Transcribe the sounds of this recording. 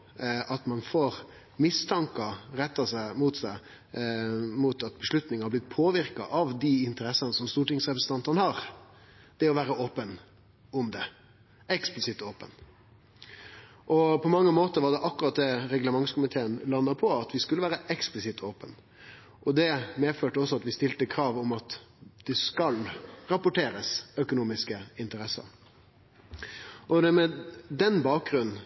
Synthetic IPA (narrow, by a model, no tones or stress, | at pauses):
ʔɑt̪mɑnfoːɾ | mɪst̪ʰɑŋkəɾɛt̪ːɑsæɪmut̪sæɪ | muːt̪ɑt̪̚bəʂlʉt̪nɪŋhɑblɪt̪̚ːpʰoːʋɪɾkɑ̰ʔɑʋd̪iɪnt̪əɾɛsːənəsɔmst̪uːʈɪŋsɾɛpɾəsən̩t̪ɑnt̪əʁnəhɑɾ | d̪̥ɛɔʋæːɾəoːpən | ʊmd̪ɛ | ɛksplɪsɪt̪ːoːpən | ʔɔpʰɔmɑŋːəmoːt̪əɾʋɑd̪ɛʔɑkːʉɾɑt̪̚d̪ɛɾɛɡləmɑŋskʊmɪt̪ʰeːənlɑnːəpʰɔɑt̪ʋɪskʉləʋæːɾəʔɛksplɪsɪt̪ʰoːpən | ʔɔd̪ɛmeːføːʈəɔs̬ːɔɑt̪ʋɪst̪ɪlt̪əkʰɾɑːʋɔmɑt̪d̪̥ɛskɑlɾɑpʊʈeːɾəsœkʊnuːmɪskəɪnt̪əɾɛsːə̰ɾ | ʔɔd̪ɛmɛd̪ɛnbɑːk̚ɡɾʉnn̩